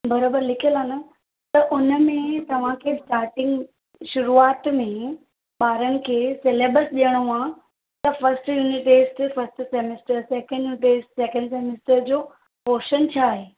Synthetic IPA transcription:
bɐɾoːbəɾlɪkʰijəlaːnə | t̪ɐʔʊnə̆mẽt̪ɐʋ̤ãkʰeːʈaːʈɪ̃ŋɡ | ʃʊɾuaːt̪mẽ | tɓaːɾənɪ̆kʰeːseleːbəlsɗijəɽ̃ũaː | t̪ɐfɐsʈjuːniʈeːsʈfɐsʈseːmesʈəɾsɛːkə̃ɳɖjuːnɪʈeːsʈsɛkə̃ɳɖseːmɪsʈəɾd͡ʑoː | poːʃənt͡ɕʰaːɦeː

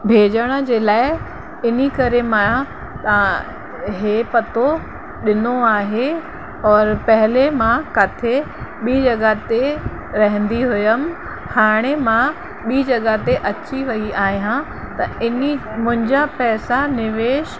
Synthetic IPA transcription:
bʱeːd͡ʑəɽ̃ə̆d͡ʑeːlaːɪ | ɪnikɐɾemã | t̪ɐ | ɦeːpɐt̪o | ɗɪnoaːɦe | ɔːɾpɐɦɪlemãkat̪ʰe | ɓiːd͡ʑɐɠat̪e | ɾɐɦə̃nd̪iɦʊjəm | haːɽ̃emã | ɓiːd͡ʑɐɠat̪eʔɐt͡ɕiʋɐiʔaːɦijã | t̪ɐɪnimʊ̃ɦɪ̃ɲd͡ʑapɛːsanɪʋeːʃ

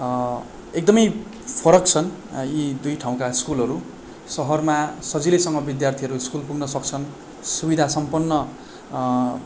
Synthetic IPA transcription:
ek̚d̪ʌmʌj | pʰʌɾʌkt͡sʰʌn | jid̪ujʈʰaw̃kaskulʌɾu | sʌɦʌrmasʌd͡zilesʌŋɡʌbid̪jart̪ʰiʌɾuskulpuɡnʌsʌkt͡sʰʌn | subid̪ʱasʌmpʌnːʌ

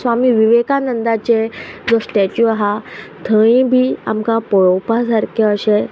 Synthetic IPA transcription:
sʋamiːʋiʋekanənd̪at͡ɕed͡zɔsʈ̪at͡ɕuaɦat̪ʰə̃ĩbʱiːa̰mkapɔɭɔwpas̬aɾkʰeəɕe

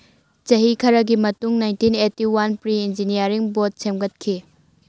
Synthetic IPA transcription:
t͡ʃɐɦikʰɐɾɐɡimɐtuŋnajntinetːiwanpɾiind͡ʒinijɐɾiŋbot̚semɡɐt̚kʰi

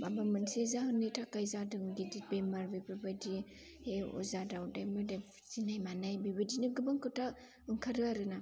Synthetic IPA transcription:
babamɯnsezahɯnitʰakajzadɯŋɡidibemaɾbipɯbadi | eɔ̰zadawdajmɯde | z̥inajmanajbibɯdinɯɡɯbaŋkɯtʰa | ɯŋkʰaɾɯaɾɯna

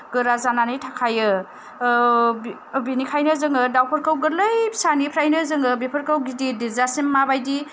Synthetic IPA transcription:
ɡɯɾazananɯjtʰakʰajɯ | binikʰajnɯzɯŋɯdawpʰəɾkawɡɯɾlɯjbisanipʰɾajnɯzɯŋɯbepʰəɾkawɡididizasimmabajdi

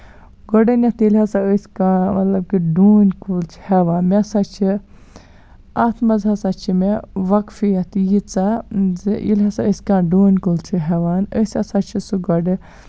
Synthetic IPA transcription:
ɡɔɖɐnʲɐt̪ilʲɦasaəsʲkaːmɐt̪lɐb̚kiɖuːnʲkult͡ʃʰi̥heʋaːnmesat͡ʃʰi | at̪ʰmɐzasat͡ʃʰimeʋɐkfijɐt̪jit͡sa | ʔḭlʲɦɐsaəsʲkãːɖuːnkult͡ʃʰiɦeʋaːnəsʲɐsat͡ʃʰisuɡɔɖɨ

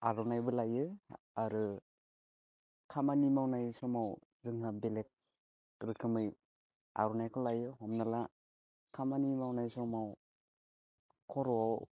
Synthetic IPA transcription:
aɾɔnajbɯlajɯ | aɾɯ | kʰamanimawnajsɔmaw | zɯŋhabelek̚ | ɾɯkʰɯmɯj | a̰ɾɔnajkʰɔlajɯɦɔmnala | kʰamanimawnajsɔmaw | kʰɔɾɔaw

